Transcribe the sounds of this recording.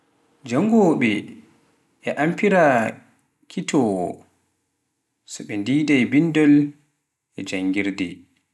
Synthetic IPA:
d͡ʒaŋːɡɔɓɛ | ʔɛʔampiɾa | kʰitʰɔ | sɔɓɛndidajbindɔl | ʔɛd͡ʒaŋɡiɾdɛ̰

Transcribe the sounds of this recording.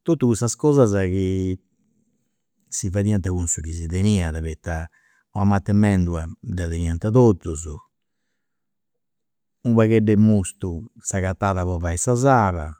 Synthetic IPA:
t̪ot̪ːukust̪askɔzazaki | sivaðiant̪aɣunsuɣiziðeniːaðaβɛt̪ːa | ɔamat̪ːɛmɛnd̪uad̪ɛðeniant̪aðot̪ːuzɔ | umβaɣɛɖɛmost̪usaɣat̪ːaːðaβɔvaɛsazaːɾa̰

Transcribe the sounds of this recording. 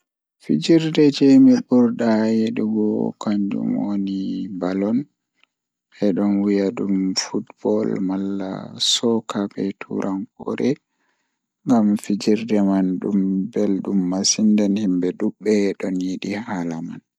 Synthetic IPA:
fid͡ʒiɾdɛd͡ʒɛmiɓuɾdajeɗiɡɔkaɲd͡ʒṵmwonibalɔn | ʔɛɗɔnwijaɗumfutbɔlmalːa̰sɔkabɛtʰṵɾʔankɔ̰ɾɛ | ŋɡamfid͡ʒiɾdɛmanɗumbɛlɗumːasindɛnhimbɛɗuɓːɛɗɔnjiɗihalaman

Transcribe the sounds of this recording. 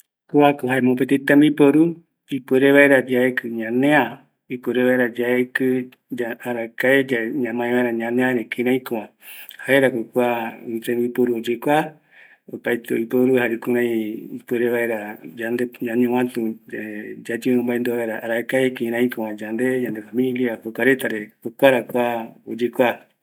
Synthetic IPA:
kuakoɦaemõpet̪et̪ãmbipoɾu | ipueɾeβaeɾad͡ʒaekɨɲãnẽã | ipeɾeβaeɾad͡ʒaekɨ | d͡ʒaaɾakaed͡ʒaɲãmãẽβaeɾaɲãnẽãɾekĩɾãĩkõã | haeɾakʷokuait̪ẽmbipoɾuod͡ʒekʷa | opajt̪eo̰ipoɾuhaɾikuɾãĩipeɾeβaeɾad͡ʒand̪eɲãɲũwãt̪ũ | d͡ʒad͡ʒɨ̃mbaend̪oβaɾaʔaɾaekaekĩɾãĩkõwãd͡ʒand̪ed͡ʒand̪efamĩliakokʷaɾet̪aɾekokʷaɾakʷao̰d͡ʒekʷa

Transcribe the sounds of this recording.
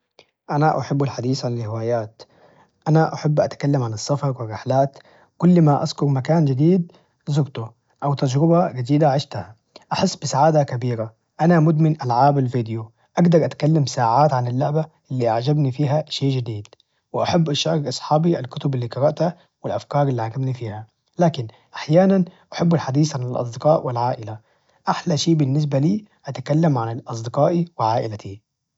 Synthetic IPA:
ʔanaʔaħabːalħad̪iːsʕanɪlhɪwaːjaːt̪ | ʔanaʔaħabːʔa̰t̪kalːamʕanɪsˤːɑfɑɾˤwɪrːɪħlaːt̪ | kʊlːmaʔaskʊɾmakaːnd͡ʒɪd̪iːd̪̚ | zʊɡt̪ʊ | ʔawt̪ad͡ʒɾɪbaɡɪd̪iːd̪aʕɪʃt̪aha | ʔaħɪsːbɪsaʕaːd̪akabiːɾa | ʔanamʊd̪mɪnʔalʕaːbalviːd̪ju | ʔaɡd̪ɑɾˤʔat̪kalːamsaːʕaːt̪ʕanalːʊʕbaʔɪlːiːʔaʕd͡ʒabnifiːɦaʃeːʔʒɪd̪iːd̪̥ | wɪʔaħabːʔaʃɑːɾkʔɑsˤħɑːbiʔalkʊt̪ʊbalːiːkɑɾɑʔt̪ha | wɪlʔafkɑːɾˤɪlːiʕaʕɡabnifiːha | laːkɪn | ʔaħjaːnanʔaħabːalħad̪iːsʕanɪlʔɑ̰sˤd̪ɪqɑːʔwɪlʕaːʔɪla | ʔaħlaʃeːʔbɪnːɪs̬baliː | ʔat̪kalːamʕanɪlʔɑsˤd̪ɪqɑːʔiwɪʕaːʔɪlat̪ʰi

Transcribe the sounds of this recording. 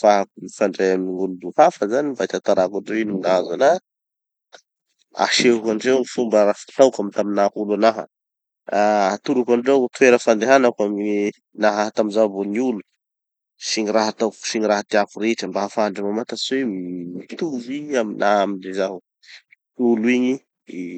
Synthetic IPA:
faɦakumifaɳɖ͡ʐajamniŋɡulud̪uhafəzanimbajt̪at̪aɾakaɳɖ͡ʐewinuminazana | a̰ʃeukanɖ͡ʐewmifumbəɾafḁt̪awkamit̪aminakulanaɦə̰ | at̪uɾakaɳɖ͡ʐewt̪ueɾəfand̪eɦanakwami | naɦaɦat̪amizavoniulu | siɲiɾaɦat̪awksiɲiɾaɦat̪iakuɾeʈ͡ʂəmbaɦafaaɳɖ͡ʐəmamat̪aswemimit̪uviaminaɦaminlezaɦu | uliɲi

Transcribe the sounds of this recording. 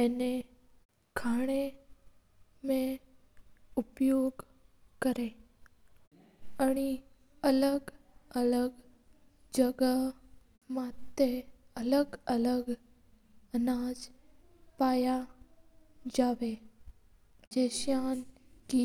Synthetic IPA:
ɛːne | kʰaːɽ̃e | mẽ | ʊpjoːɡ | kəɾe | aɽ̃i | ələɡ | ələɡ | d͡ʒəɡə | mat̪ːeələɡələɡ | ənaːd͡ʒ | paːja | d͡ʒaːʋe | d͡ʒeːʃjaːnki

